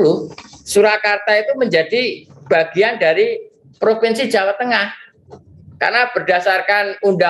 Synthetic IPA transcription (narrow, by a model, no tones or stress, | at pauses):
lusuɾakart̪ait̪uməɲd͡ʒad̥i | b̥aɡ̥iandaɾi | pɾopinsi̥d͡ʒawat̪ːəŋah | ka̰rnab̥ərd̥asarkanunda